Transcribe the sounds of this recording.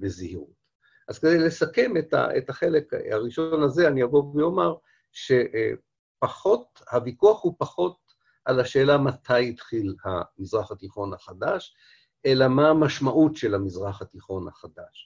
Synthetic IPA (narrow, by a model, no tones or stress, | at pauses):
bezihiʁut | ʔaz̥ked̪ejle̞sake̞met̪a̰ḛtaχe̞lekhaʁiʃonazeanijavovejomaʁ | ʃe̞ʔ | paχo̞t̚ | havikuaχhupaχo̞t̪̚ | ʔalaʃe̞ːlamat̪ʰajit̪χilha̰mizʁaχhatiχo̞naχadaʃ | ʔelamaːmaʃmaʔutʃe̞lhamizʁaχhat̪iχo̞nha̰χad̪aʃ